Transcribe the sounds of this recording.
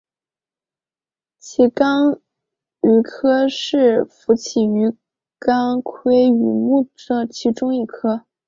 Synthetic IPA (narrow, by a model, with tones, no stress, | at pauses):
t͡ɕʰi˧˥kɑ˥ŋ | y˧˥kʰɤ˥ʂɻ̩˥˩fu˧˥t͡ɕʰi˨˩y˧˥ | kɑ˥ŋkʰwe˥ɪy˨˩mu˥˩ə˧˩t͡ɕʰi˧˥ʈ͡ʂʊ˥ŋi˥˩kʰɤ˥